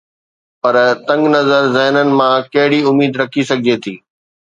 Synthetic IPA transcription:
pɐɾt̪ɐ̃ŋɡnɐzəɾzɛːnənɪ̆mãkɐɦɪɽiʊmiːd̪ɾɐkʰisɐɡʱɪd͡ʑet̪ʰiː

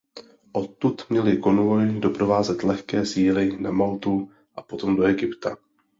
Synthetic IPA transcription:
ʔo̞t̪ːut̪mɲɛlɪko̞nvo̞jdo̞pɾo̞vaːzɛt̪lɛxkɛːsiːlɪnamalt̪u | ʔapo̞t̪o̞mdo̞ɛɡɪpt̪a

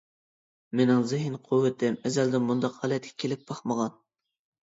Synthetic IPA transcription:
menɪŋzɪɦɪnqʰʊwːɪt̪ʰɪmɛzæld̪ɪmːund̪ɑqhɑlɛt̪̚kʲʰɛ̥kʲʰelɪp̚b̥ɑχməʁɑn

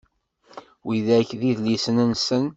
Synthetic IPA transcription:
wiðæçðiðlisənænsən

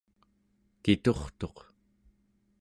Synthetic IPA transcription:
kit̪o̞χt̪o̞q

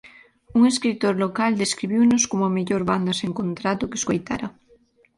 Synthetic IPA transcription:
uŋeskɾit̪oɾlokald̪eskɾiβ̞iwnoskomoameʎoɾβand̪aseŋkont̪ɾat̪oke̥skojt̪a̰ɾa

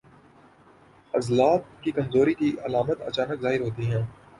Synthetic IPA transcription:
ɐzlaːb̚kikɐmzoːɾikiʔɐlaːmət̪ɐ̰t͡ʃaːnəkzaːɦɪɾɦoːt̪iɦɛ̃ː

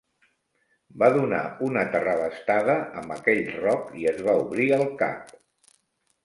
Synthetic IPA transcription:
baðuna̰unət̪ərəβəst̪aðəəmbəkɛʎrɔkiəzβauβɾiəlˠka̰p̚

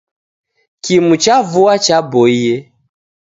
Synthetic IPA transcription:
kimut͡ʃavuat͡ʃabɔiɛ

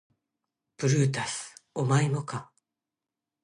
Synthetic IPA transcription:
b̥ɯ̟ɾɯ̟ːt̪asɨ̥omaimoka

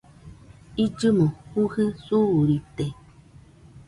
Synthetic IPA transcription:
id͡ʒɨmohuhɨsuɾit̪e

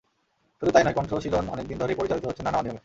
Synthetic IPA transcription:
ʃud̪ut̪ajnajkɔnʈɾolot͡ɕʰilonɔ̰nek̚d̪ind̪ʱoɾepoɾit͡ɕalit̪oɦotːʰenːanaonijome

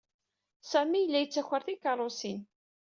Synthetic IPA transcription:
sæmijəlːæjət͡sːæçʷəɾθikɑɾˤosin

